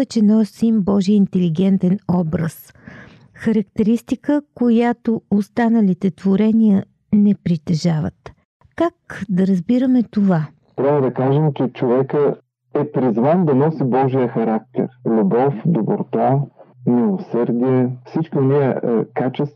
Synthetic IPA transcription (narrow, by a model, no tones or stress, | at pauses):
ɛt͡ʃɛnɔsimbɔʒijəint̪ɛliɡɛnt̪ɛnɔbɾəs | xɐɾɐkt̪ɛɾist̪ikəkojat̪oost̪anəlit̪ɛt̪voɾɛnijə | nɛpɾit̪ɛʒavə̰t̪ | kakd̪ɐɾɐzbiɾəmɛt̪ova | t̪ɾʲavəd̪ɐkaʒɛmt͡ʃɛt͡ʃovɛkə | ɛpɾizvand̪ɐnɔsibɔʒijəxɐɾak̚t̪ɛ̰ɾlʲubɔfd̪oboɾt̪amilˠosəɾd̪iɛfsit͡ʃkʲiʊniəkat͡ʃɛst̪